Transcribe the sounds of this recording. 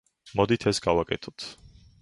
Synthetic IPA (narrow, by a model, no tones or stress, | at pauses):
mɔd̪it̪ʰɛsɡavakʼɛt̪ʰɔ̥t̪ʰ